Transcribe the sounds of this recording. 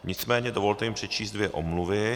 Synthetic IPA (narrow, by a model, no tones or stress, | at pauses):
ɲɪt͡smɛːɲɛdovo̞lt̪ɛjɪmpr̝̥ɛt͡ʃiːsd̪̚vjɛʔomluvɪ